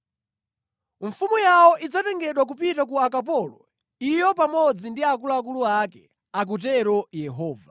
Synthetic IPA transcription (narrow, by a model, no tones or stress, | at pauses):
ɱfumujawɔʔid͡zatɛŋɡɛɗwak̬upitak̬uakapɔlɔ̰ | ijɔpamɔd͡zindiak̬uluak̬uluakɛ | ak̬utɛɾɔjɛɦɔːva